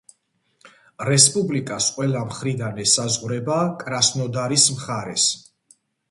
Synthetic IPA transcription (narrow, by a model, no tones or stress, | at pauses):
ɾɛspʼublikʼasqʼwɛlˠamχɾid̪anɛsazʁɾɛbaːkʼɾasnɔd̪aɾismχaɾɛs